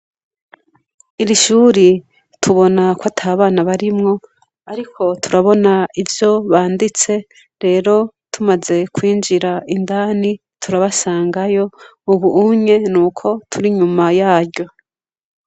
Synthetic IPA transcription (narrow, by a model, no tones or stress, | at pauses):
iɾiʃuːɾi | tʰuβo̞nakwatʰaːβaːnaβaɾimŋo̞ | aɾikʰo̞tʰuɾaβo̞naivjo̞βaːndit͡se̞ | ɾe̞ːɾo̞ | tʰumaze̞kwiːnd͡ʒiɾaindaːni | tʰuɾaβasaːŋɡajo̞uβuːmɲe̞nuːkʰo̞tʰuɾiɲumajaːɾɟo̞